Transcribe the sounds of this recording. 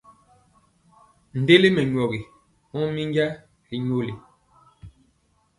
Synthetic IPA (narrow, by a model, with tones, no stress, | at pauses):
n̩˨de˦li˦mɛ˨ɲɔ˨ɣi˨ | mɔ˦mi˦ŋ˦ɡɛ˦ | i˨ɲo˦˨li˨